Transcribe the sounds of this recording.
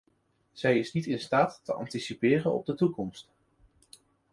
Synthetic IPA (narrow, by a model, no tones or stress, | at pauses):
z̥ɛjɪsnitɪnstaːtːəʔɑ̰ntisipɪːrənɔ̰b̚dətukɔmst